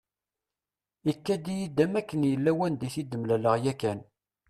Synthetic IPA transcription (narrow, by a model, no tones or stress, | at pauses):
ikːæd̪ijid̪ːæmækːənjəlːæwænd̪iθid̪əmlæləʁjækæn